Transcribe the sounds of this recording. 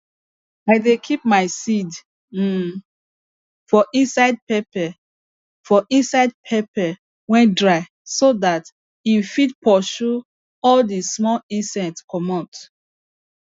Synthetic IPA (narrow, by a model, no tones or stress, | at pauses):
aɪdekʰip̚maɪsid̩ | fɔʔĩnsaɪd̚pepɛ | fɔʔĩnsaɪd̚pʰepɛ | wɛ̃ndɹaɪ | sodat | ifid̚pʰɔʃu | ɔldismɔlĩnsɛ̃tkʰɔmat